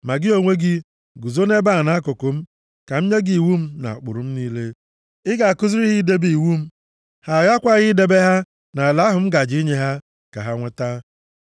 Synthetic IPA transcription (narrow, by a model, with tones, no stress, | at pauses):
ma˨ɡɪ˦o˨ŋʷe˦ɡɪ˦ | ɡu˨zo˦ne˦ba˦a˨na˦a˦kʊ˨kʊ˨m̩˦ | ka˨m̩˦ɲe˦ɡi˨i˨wu˦m̩˦na̰˨k͡pʊ̰˨ɾʊ˨m̩˦niː˦le˦ | ɪ˦ɡa˨a˨kʊ˦zi˦ɾi˦ɣɪ˦de˦bi˨wu˦m̩˦ | ha˨ɣa˦kʷa˦ɣɪ˦de˦be˦ɦa˦ | na˨a˨la˦ɦʊ˨m̩˦ɡa˨d͡ʒi˦ɲe˦ɦa˦ | ka̰˨ɦa˦ŋʷe˦ta˦